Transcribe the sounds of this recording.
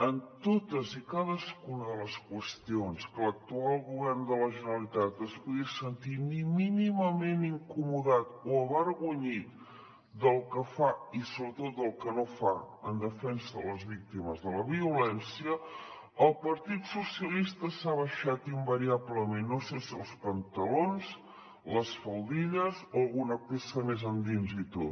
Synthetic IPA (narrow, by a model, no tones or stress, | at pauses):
ənt̪ot̪əzikaðəskunəðələskwəst̪ionskələk̚t̪ualˠɣuβɛrnd̪ələʒənəlit̪at̪əspuɣisənt̪imiminiməmeniŋkumuðat̪oəβəɾɣuɲit̪ | d̪əlˠkəfaisoβɾət̪ot̪̚d̪əlˠkənofa | ənd̪əfɛnsəələzβik̚t̪iməzðələβiulɛnsiəː | lˠpəɾt̪it̪susiəlist̪əsaβəʃat̪imbəɾiaβləmenːosesiəlˠspənt̪əlonz | ləsfəlˠd̪iʎəzoəlˠɣunəpesəmezənd̪inzit̪ot